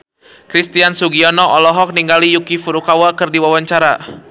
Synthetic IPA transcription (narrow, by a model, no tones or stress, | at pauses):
kɾist̪iansuɡiɔnɔʔɔlɔɦɔk̚niŋɡalijukifuɾukawakɨrdiwawaɲt͡ʃaɾa